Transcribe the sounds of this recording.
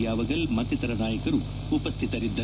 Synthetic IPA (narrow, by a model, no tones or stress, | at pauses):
jaːʋɐɡɐlmɐt̪ːit̪ɐɾɐnaːjɐkɐɾuː | pɐst̪ʰit̪ɐɾid̪ːɐ